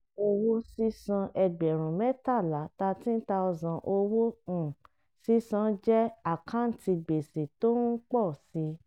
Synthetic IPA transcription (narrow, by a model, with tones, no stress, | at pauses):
o˧wo˦si˦sɔ̃˧ʔɛ˧ɡ͡bɛ˨ɾ̃ũ˨mɛ˦ta˦˨la˨˦ta˧ti˦n̩˦ta˧ɔ˧zã˨ʔo˧wõ˦˨ | si˦sã˧˦d͡ʒɛ˦a˦˨kʰã˨˦n̩˨ti˧ɡ͡be˨se˨to˦n̩˦k͡pɔ˦˨si˧˦